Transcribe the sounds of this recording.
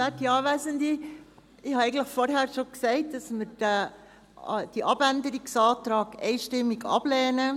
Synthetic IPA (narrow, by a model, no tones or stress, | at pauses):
ætiɑːvæːzəndi | ɪhɑɛɪɡən̩tləxfɔɾɦɛːɾʃoksɛɪt̚d̥ɑsmɪɾd̥ɛ | d̥iʔɑb̥ændəɾiksɑːtɾɑːɡɛ̰ɪʃtɪmːiɡɑ̰b̥lɛːnə